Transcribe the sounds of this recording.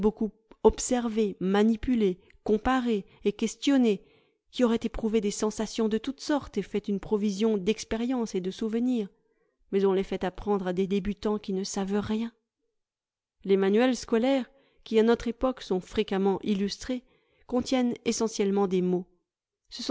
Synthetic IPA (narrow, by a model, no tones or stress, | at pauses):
bokupɔpsɛʁvemanipyle | kɔ̃paʁeː | kʲɛst̪jɔne | kʲiɔʁɛt̪epχuved̪esɑ̃sasjɔ̃d̪ət̪ut̪sɔʁt̪efɛt̪ynpχɔvizjɔ̃d̪ɛkspeʁjɑ̃sed̪əsuvniːʁ | mɛzɔ̃lefɛt̪apχɑ̃d̪ʁad̪ed̪ebyt̪ɑ̃kʲinəsavʁjɛ̃ | lemanyɛlskɔlɛʁ | kʲianɔt̪χepɔksɔ̃fχekamɑ̃ʔilyst̪χe | kɔ̃t̪jɛnesɑ̃sjɛlmɑ̃d̪emo | səsɔ̃